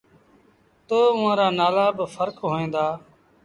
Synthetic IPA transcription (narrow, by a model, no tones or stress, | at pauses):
t̪oːʊʋãːɾaːnaːlaːbəfəɾkɦoːẽːnd̪aː